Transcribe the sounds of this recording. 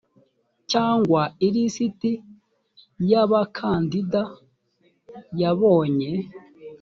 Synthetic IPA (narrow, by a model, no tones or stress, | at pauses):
caːŋɡwaiɾisiti | jaβakʰaːndida | jaβoːɲe